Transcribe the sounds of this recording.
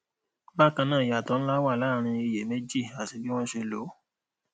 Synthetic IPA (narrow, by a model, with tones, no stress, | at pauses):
ba˦˨kã˧nãː˦˨ja˨tɔ˧˦ñ̩˦la˦wa˦˨la˦˨ɾ̃ĩ˧i˧je˨me˦d͡ʒi˦˨a˨ti˧bi˦w̃ɔ̃˦ʃe˧lo˨˦